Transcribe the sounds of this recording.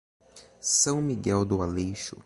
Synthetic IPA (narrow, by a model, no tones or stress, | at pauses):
sɐ̃w̃miɡɛwd̪ʊalejʃʊ̰